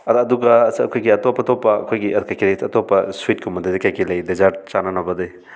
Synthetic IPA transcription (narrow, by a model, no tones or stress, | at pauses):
ɐːduɡɐːsɐkʰojɡiɐtɔpːɐtɔpːɐɐ̰kʰojɡiɐkajkʰilejsɐtɔpːɐsuit̚kʰumɐdɐdikajkilɐjdezaɾt͡ʃanɐnɐbɐdɯj